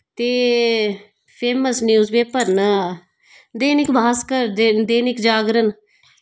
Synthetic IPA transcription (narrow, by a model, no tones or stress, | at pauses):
t̪eː | pʰeːməsnjuːzbeːpəɾnə | d̪eːnɪkbʱaːskəɾd̪ed̪eːnɪkd͡ʒaːɡɾən